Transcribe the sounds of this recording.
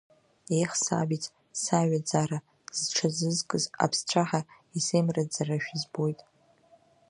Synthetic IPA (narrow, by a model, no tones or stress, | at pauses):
ejχsa̰bit͡sʼ | saɥad͡zaɾa | z̥ʈ͡ʂʰazɨzkʼɨza̰pʰst͡ɕʷʰaħa | isejmrad͡zaraʃᶣizbo̞jtʼ